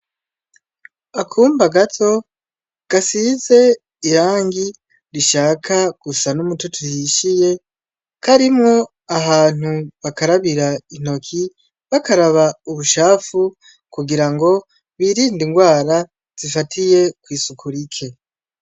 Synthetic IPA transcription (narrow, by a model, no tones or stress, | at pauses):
akʰuːmbaɡatʰo̞ | ɡ̥asize̞ | iɾaːŋɡi | ɾiʃaːkʰaɡ̥usanumutotʰujiʃije̞ | kʰaɾimŋo̞ | ahaːn̥uβakaɾaβiɾain̥o̞kʰi | βakaɾaβauβuʃaːfu | kuɡiɾaŋɡo̞ | βiːɾiːndiŋɡwaːɾa | z̥ifatʰije̞kwiːsukʰuɾikʰe̞